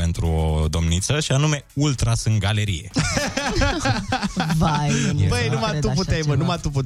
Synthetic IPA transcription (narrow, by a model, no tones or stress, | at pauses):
pe̞nt̪ɾṵod̪o̞mnit̪səʃianume̞ult̪ɾasɨŋɡale̞ɾḭje̞̰ | vabəjnumaup̬ut̪ejmənumat̪uput̪